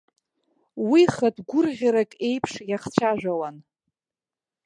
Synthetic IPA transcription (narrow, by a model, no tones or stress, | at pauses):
wiχadɡʷʊrʁʲaɾakʼe̞jpʰʂjaχt͡ɕʷʰaʒᶣʷawan